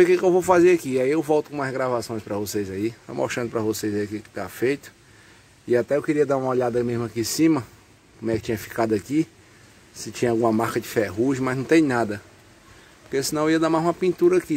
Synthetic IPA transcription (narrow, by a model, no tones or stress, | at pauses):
vejukekɪewvowfazeɾakiaiewvɔwt̪ʊũmɐzɡɾavasõj̃spɾɐvosejzaimʔo̰ʃt̪ɾɐ̃d̪ʊpɾɐvosejzaikikɪ̥t̪a̰fejt̪ʊ̥ | ɪat̪ɛewkiɾiɐd̪aũmɐoʎad̪ɐmezmʊakisĩmɐ | kõmwɛkɪ̥t͡ʃĩɲɐfi̥kad̪ʊaki | sɪt͡ʃĩɲɐaɡũmɐmahkɐd͡ʒɪfeɦuʒʊmɐjznɐ̃w̃t̪ẽj̃nad̪ɐ | po̥hkesinɐ̃w̃iɐd̪amajzũmɐpĩnt̪uɾɐaki